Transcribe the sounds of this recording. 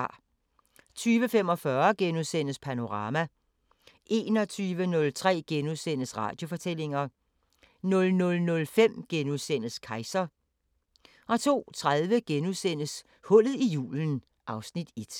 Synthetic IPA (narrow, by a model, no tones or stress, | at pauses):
ɑ̰ | t͡sʰyːʋəfem̰ɒ̽fɶːɐɡ̥enuðˠsen̰əspʰæno̝ʁɑ̈ːmæ | ʔe̝ːnɒ̽t͡sʰyːʋənɔ̽lt͡sʰʁɛ̰ːɡ̥enuðˠsen̰əsʁɑ̰̈ːd̥jo̝fɒ̽t͡sʰel̰e̝ŋɐ | nɔ̽lnɔ̽lnɔ̽lfem̰ɡ̥enuðˠsen̰əskʰɑ̈ɪsɐ | ʔɒ̽t͡sʰo̝̰ːt͡sʰʁaðˠʋəɡ̥enuðˠsen̰əs | hɔ̽l̰ð̩ˠijṵːln̩ | ʔɑ̈ʊsnid̥e̝d̥